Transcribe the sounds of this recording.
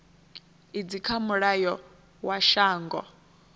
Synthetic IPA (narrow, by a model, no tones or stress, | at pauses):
id͡zikʰamuɺajɔ | waʃaːŋɡɔ